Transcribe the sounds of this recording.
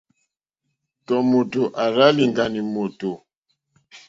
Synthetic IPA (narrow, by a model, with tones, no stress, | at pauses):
tɔ˨mo˨to˨ʔa˨ɾa˦li˨ŋɡa˨ni˨mo˨to˨